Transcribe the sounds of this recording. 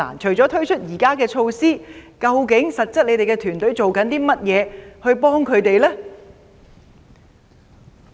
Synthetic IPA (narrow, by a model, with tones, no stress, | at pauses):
a̰ː˨˩nt͡ʃʰɵ˨˩ɥt͡sɔː˨˥t̪ʰɵ˥ɥt͡ʃʰɵ˥t̚jiː˨˩kaː˥kɛː˧t͡ʃʰo˧wsiː˥kɐ˧wkɪ˨˥ŋsɐ˨t̚t͡sɐ˥t̚le˨˧jt̪e˨jkɛː˧t̪ʰyː˨˩nt̪ɵ˨˥ɥt͡so˨wkɐ˨˥nt̪iː˥mɐ˥t̚jɛː˨˧hɵ˧ɥpɔː˥ŋkʰɵ˨˧ɥt̪e˨jlɛː˥